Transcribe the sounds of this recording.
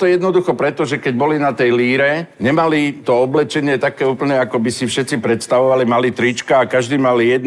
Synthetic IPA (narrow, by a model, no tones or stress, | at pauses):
t̪ɔjɛd̪nɔd̪uxɔpɾɛt̪ɔʒɛkɛɟ̚bɔlinat̪ɛjliːɾɛɲɛmalit̪ɔɔblɛt͡ʃɛɲɪɛt̪akɛːuːpl̩ɲɛakɔbisifʃɛt̪t͡sipɾɛt̪st̪aʋɔʋalimalit̪ɾit͡ʃkaːkaʒd̪iːmalijɛd̪